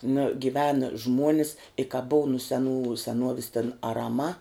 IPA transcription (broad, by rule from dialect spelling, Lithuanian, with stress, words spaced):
nɐ ɡʲɪˈʋʲæːnɐ ˈʒmuɔnʲɪs ɪ kɐ bʊw nʊ sʲɛˈnuː sʲɛˈnuɔʋʲɪs tʲɛn ɐrɐˈmɐ